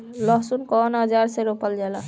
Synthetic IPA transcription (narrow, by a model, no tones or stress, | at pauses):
lɔɦsunkɔnɦʌd͡ʒaɾseɾopald͡ʒɛla